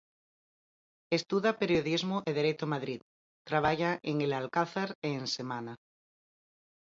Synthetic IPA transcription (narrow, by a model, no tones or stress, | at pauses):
est̪uðapeɾjoðizmoʔeðeɾet̪omaðɾið | t̪ɾaβ̞aʝaʔeŋelalkaθaɾeːnsemana